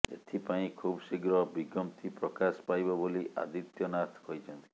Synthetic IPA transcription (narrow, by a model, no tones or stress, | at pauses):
ḛt̪ʰipaĩkʰubsiɡɾɔbiɡɔmt̪ʰipɾɔkaspajbɔboliʔa̰d̪it̪jɔnat̪ʰkɔjt͡ʃʰɔnt̪i̥